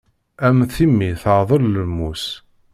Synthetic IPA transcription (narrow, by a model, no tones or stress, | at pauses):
æmθimːiθəʕðˤəlləmːus